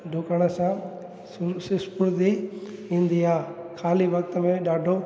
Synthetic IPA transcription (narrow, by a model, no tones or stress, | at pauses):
ɖʱoːkəɽ̃əsã | sɪspʊɾd̪iɦĩnd̪iaːkʰaːliʋɐk̚t̪əmẽɗaːɖʱo